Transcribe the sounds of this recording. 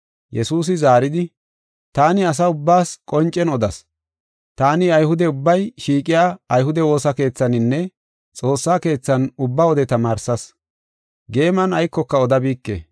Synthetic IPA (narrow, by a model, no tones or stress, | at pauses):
jɛsuːs̬ɪzaːɾɪd̪ɪ | t̪aːnɪɐs̬ɐʊbːaːskʼɔnt͡ʃʼːɛnɔd̪ɐs | t̪aːnɪɐjhʊd̪ɛʊbːɐjʃiːkʼɪjaːɐjhʊd̪ɛwo̞ːsɐke̞ːt͡sːɐnɪnːɛ | t͡sʼo̞ːsːaːke̞ːt͡sːɐnʊbːawɔd̪ɛt̪ɐmaːɾsɐs | ɡe̞ːmɐnɐjkːɔkːɐɔd̪ɐbiːkːḛː